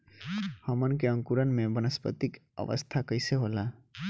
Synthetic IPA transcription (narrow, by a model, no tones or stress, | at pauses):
həmənkeə̃ŋkuɾənmẽbənəspə̰t̪ikə̰ʋə̰st̪ʰakəɪseɦola